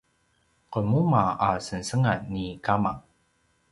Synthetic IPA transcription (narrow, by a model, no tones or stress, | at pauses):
qəmumaasənsəŋanːikamaŋ